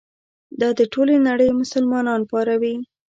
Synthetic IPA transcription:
d̪ɑd̪əʈolenaɽəjmʊsəlmɑnɑnpɑɾawi

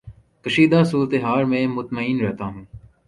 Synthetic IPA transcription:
kɐʃiːd̪aːsuːɾət̪eɦaːɾmẽːmʊt̪məiːnɾɛɦt̪aːɦũː

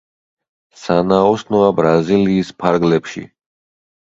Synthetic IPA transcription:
sanaɔsnɔabɾaziliːspʰaɾɡlɛpʃḭ

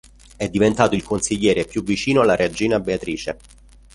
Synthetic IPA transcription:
ɛd̪ːivent̪aːt̪oilkonsiʎːɛːɾepjuvːit͡ʃiːnoalːaɾʔead͡ʒiːnabeat̪ɾiːt͡ʃḛ

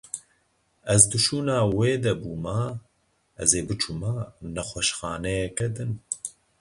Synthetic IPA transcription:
ɛzd̪ɨʃuːnɑːweːd̪ɛbuːmaː | ʔɛ̰zeːbɨt͡ʃʰumaːnɛxʷɛʃxɑːnɛjɛkɛd̪ɨn

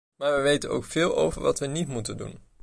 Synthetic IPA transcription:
maːɹʋəʋejtəno̰wkfɪːlˠo̰wvəɹʋɑtʋənitmutəndṵn

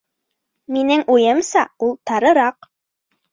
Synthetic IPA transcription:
minɘŋujɤmsɑulˠt̪ɑɾɤ̆ɾɑq

